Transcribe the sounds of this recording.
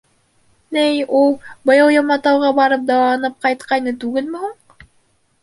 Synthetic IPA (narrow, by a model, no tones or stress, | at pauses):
nɘjulˠbɤ̆jɤ̆wjɤ̆mɑt̪ɑwʁɑbɑɾɤp̚d̪ɑw̪ɑnɤp̚qɑjt̪̚qɑjnɤt̪ʉɡɘlmɘhuɴ